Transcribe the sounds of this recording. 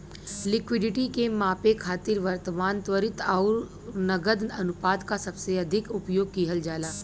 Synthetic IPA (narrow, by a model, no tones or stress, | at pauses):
lɪkʋɪɖɪʈikemãːpekʰaːt̪ɪɾʋɐɾt̪əmaːnt̪ʋəɾɪt̪ɔːɾ | nɐɡəd̪ɐnʊpaːd̪kasɐbseɐd̪ʱɪkʊpjoːɡ̚kiɦəld͡ʒaːlaː